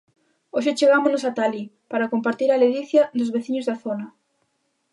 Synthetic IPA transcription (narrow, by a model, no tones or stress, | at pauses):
oʃ̬ɪt͡ʃeɣamʊznʊsat̪alipaɾakompaɾt̪iɾaleðiθjɐðʊzβeθiɲʊzðaθonɐ